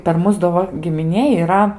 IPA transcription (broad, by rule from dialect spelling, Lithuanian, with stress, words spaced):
pʲɛr ˈmʊs doː ˈʋɐ ɡʲɪmʲɪˈnʲeːj iːˈrɐ